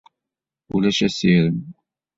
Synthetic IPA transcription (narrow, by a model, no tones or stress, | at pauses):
ulæʃæsiɾəm